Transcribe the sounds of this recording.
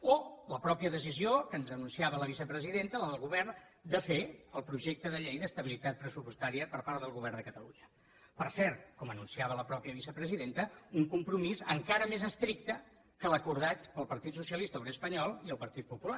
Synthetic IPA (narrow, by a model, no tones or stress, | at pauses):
oləpɾɔpiəðəs̬iziokənzənunsiaβələβ̞isəpɾəziðent̪ələðəlˠɣuβɛrn | d̪əfeəlˠpɾuʒek̚t̪əðəʎejðəst̪əβilit̪at̪̚pɾəsupwust̪aɾiəpəɾpaɾðəlˠɣuβɛrnd̪əkət̪əlṵɲə | pəɾsɛɾt̪̚kɔmənunsiaβələpɾɔpiəβisəpɾəziðent̪əuŋkumpɾumizəŋkaɾəmezəst̪ɾik̚t̪ə | kələkuɾð̞at̪pəlˠpəɾt̪it̪susiəlist̪əoβɾeəspəɲɔlˠiəlˠpəɾt̪it̪̚pupula